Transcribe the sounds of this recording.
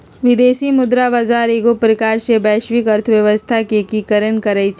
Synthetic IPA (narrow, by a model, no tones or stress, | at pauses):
ʋɪd̪eːsimʊd̪ɾabaːzaːɾeːɡopɾəkaːɾsebɛːʃʋɪkɐɾt̪ʰəʋjɐʋəst̪ʰakekikəɾənkɐɾəit͡ʃʰ